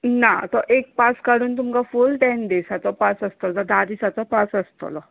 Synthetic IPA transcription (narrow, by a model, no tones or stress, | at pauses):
nat̪ɔʔek̚paskaɽuːnt̪umkafulʈɛnɖesat͡s̪ɔpasəst̪olt̪ɔd̪ad̪isat͡sɔpasəst̪o̰lɔ